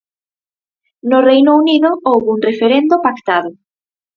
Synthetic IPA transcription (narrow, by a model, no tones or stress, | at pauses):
nʊrejnouniðʊowβuŋrefeɾend̪ʊpakt̪aðʊ